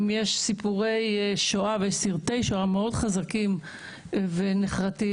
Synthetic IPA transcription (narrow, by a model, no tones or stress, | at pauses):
mjeʃsipuʁejʃoavejeʃsiʁt̪ejʃoameo̞dχazakim | veneχʁati